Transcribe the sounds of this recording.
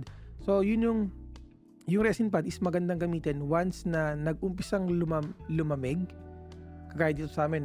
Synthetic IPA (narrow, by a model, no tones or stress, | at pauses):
d̪̚so̞jʊnjʊŋ | jʊŋɾɛsɪnp̬ad̪ɪsmɐɡɐnd̪ɐŋɡɐmiːt̪ɛnwansnɐnɐɡ̚ʔʊmpɪsɐŋlʊmɐlʊmɐmɛɡ̚ | kɐkaːɪiːt̪osɐʔaːmɛn